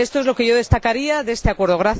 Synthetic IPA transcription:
est̪o̞e̞zlo̞ke̞ʝo̞ðe̞st̪akaɾiaðe̞st̪e̞akwe̞ɾð̞o̞ɣ̞ɾaθ

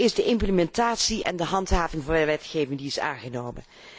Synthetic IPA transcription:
ɪzdəʔɪmpləmɛntaːtsiʔɛ̰ndəɦɑntɦaːvɪŋvɑndəʋɛtχejvɪŋdiɪsa̰ːŋχənowmə̰n

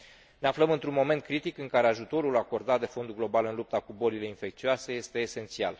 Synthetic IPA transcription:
neafləmɨnt̪ɾunmo̞me̞nt̪̚kɾit̪ikɨŋkaɾe̞aʒut̪o̞ɾulako̞rd̪at̪̚d̪e̞fo̞nd̪uɡlo̞balɨnlup̚t̪akubo̞lile̞infe̞k̚t̪sioase̞je̞st̪e̞ːse̞nt̪sia̰l

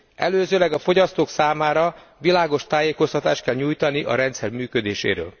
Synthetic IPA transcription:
ɛløːzøːlɛɡɒfo̞ɟɒst̪oːksaːmaːɾɒ | ʋilaːɡo̞ʃt̪aːjeːko̞st̪ɒt̪aːʃt̪̚kɛlɲuːjt̪ɒniʔɒ̰ɾɛnt̪sɛrmyːkød̪eːʃḛːɾø̰ːl

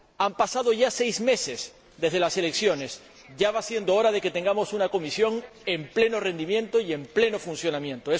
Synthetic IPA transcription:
ampasaðo̞ʝase̞jzme̞se̞s | d̪e̞zðelase̞le̞ksjo̞ne̞s | ɟ͡ʝaβasje̞nd̪ooɾaðe̞ke̞t̪e̞ŋɡamo̞sunako̞misjo̞ŋ | e̞mple̞no̞re̞nd̪imjẽ̞nt̪o̞ie̞mple̞no̞funθjo̞nãmjẽ̞nt̪oe

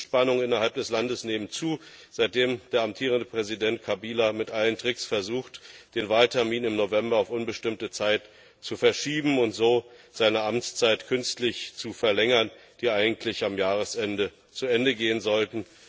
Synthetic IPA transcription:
ʃpanʊŋɪnɐhalp̚d̥ɛslandəsneːmənt͡suː | z̥aɪt̚d̥eːmd̥eːɐamtʰiːʁəndəpʁ̥ɛzidɛntkʰabiːlamɪtʔaləntʁ̥ɪksfɛɐzuːxtd̥eːnvaːltʰɛɐmiːnɪmnovɛmbɐaʊfʔʊnbəʃtɪmtət͡saɪt | t͡sufɛɐʃiːbm̩ʊntz̥oːz̥aɪnəʔamt͡st͡saɪtkʰʏnstlɪçt͡sufɛɐlɛŋɐn | d̥iːʔaɪɡŋ̩tʰlɪçamjaːʁəsʔɛndə | t͡suɛndəɡeːənzɔltn̩

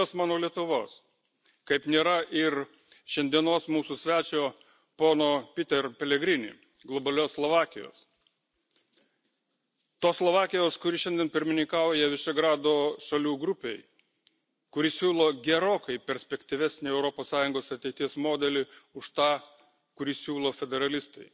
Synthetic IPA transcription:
oːsmɑːnoːlʲiɛt̪ʊʋoːs | kɐɪpnʲeːɾɐʔɪɾ | ʃʲɛnʲd̪ʲiɛnoːsmuːsʊsʲʋʲæːt͡ʃʲoː | poːnoːpʲɪt̪ʲɛɾpʲɛlʲɛɡɾʲɪnʲɪ̰ː | ɡlˠɔbɐlʲoːslˠoʋɑːkʲɪjo̰ːs | t̪oːsslˠoːʋɑːkʲɪjoːskʊɾʲɪʃʲɛnd̪ʲiɛnpʲɪɾʲmʲɪnʲɪŋkɑːˑʊjɛʋʲɪʃʲɛɡɾɑːd̪oːʃɐlʲuːɡɾʊpʲeɪ | kʊɾʲɪsʲuːlˠoːɡʲɛɾoːkɐɪpʲɛɾʲsʲpʲɛkt̪ʲɪʋʲæsʲnʲɪɛʊɾɔpoːssɑːjʊŋɡoːsɐt̪ʲɛɪt̪ʲiɛsmoːd̪ʲɛlʲɪʊʃt̪ɑː | kʊɾʲɪsʲuːlˠoːfʲɛd̪ʲɛɾɐlʲɪst̪ɐɪ

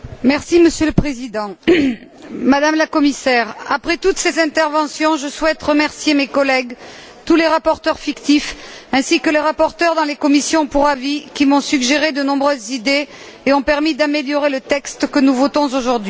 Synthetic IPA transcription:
mɛʁsiməsjøləpχezid̪ɑ̃ | mad̪amlakɔmisɛʁapχɛt̪ut̪sezɛ̃t̪ɛʁvɑ̃sjɔ̃ʒəswɛt̪ʁəmɛʁsjemekɔlɛɡ | t̪uleʁapɔʁt̪œʁfikt̪ifɛ̃sikəleʁapɔʁt̪œʁd̪ɑ̃lekɔmisjɔ̃puʁavikʲimɔ̃syɡʒeʁed̪ənɔ̃bʁøzːid̪e | eɔ̃pɛʁmid̪ameljɔʁelət̪ɛkst̪kənuvɔt̪ɔ̃zoʒuʁd̪ɥi

